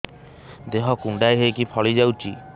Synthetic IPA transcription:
d̪eɦɔkuɳɖajɦekipʰɔɭid͡ʒawt͡ʃi

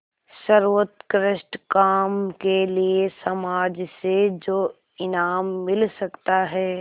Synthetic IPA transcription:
ʃɐɾʋət̪kɾɪʃʈkaːmkeliesɐmaːd͡ʒsed͡ʒoː | ɪnaːmːɪlsɐkt̪aɦɛː

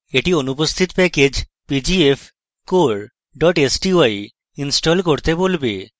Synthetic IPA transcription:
eʈionupost̪ʰit̪pɛked͡ʑpid͡ʑief | koɾ | ɖɔʈesʈiaj | insʈolkoɾt̪ebolbḛ

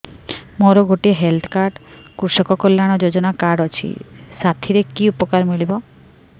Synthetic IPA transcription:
moɾoɡʱoʈiɦelt̪ʰkaɾɖkuɾʃɔkɔkolːaɽ̃ɔd͡ʑod͡ʑonakaɖɔt͡ɕʰḭsat̪ʰiɾekiupɔkaɾmilibɔ

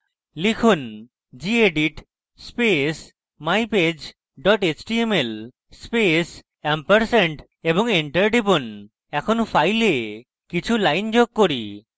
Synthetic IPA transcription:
likʰun | d͡ʒieɖiʈ | spes | majped͡ʒ | ɖɔʈet͡ʃʈiemel | spes | ɛmpəɾseɳʈ | ebɔŋeɳʈəɾɖibun | ɛkʰonpʰajle | kit͡ʃʰulajnd͡ʒoɡ̚koɾi

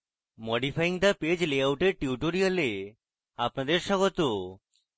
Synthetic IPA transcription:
mɔɖifʰajiŋd̪aped͡ʑleawʈeɾʈiʈoɾiole | apnad̪eɾʃɔɡot̪o

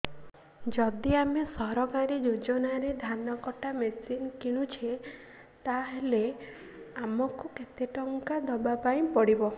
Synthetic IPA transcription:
d͡ʒɔd̪iamesɔɾɔkaɾid͡ʒud͡ʒɔnaɾed̪ʱanɔkɔʈamesinkiɽ̃ut͡ʃʰe | t̪aɦele | amɔkuket̪eʈɔŋkad̪ɔbapaĩpɔɽibɔ

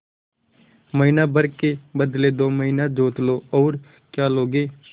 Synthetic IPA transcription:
məɦiːnaːbəɾkeːbəd̪leːd̪oːməɦiːnaːd͡ʒoːt̪loːɔːɾ | kjaːloːɡeː

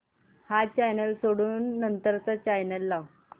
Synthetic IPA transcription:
hat͡ɕajnəlsoɽuːnːənt̪əɾt͡sat͡ɕajnəlːaw

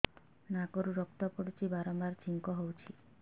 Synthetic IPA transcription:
nakoɾuɾɔk̚t̪ɔpɔɽit͡ʃʰibaɾɔmbaɾt͡ʃʰiŋkɔɦowt͡ʃʰi

